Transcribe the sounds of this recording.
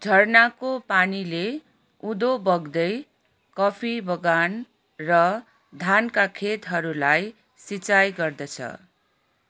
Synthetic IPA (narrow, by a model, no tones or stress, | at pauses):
d͡zʱʌrnakopanile | ud̪obʌɡd̪ʌj | kʌpʰibʱʌɡan | rʌ | d̪ʱankakʰet̪ɦʌɾulaj | sit͡sajɡʌrd̪ʌt͡sʰʌ̰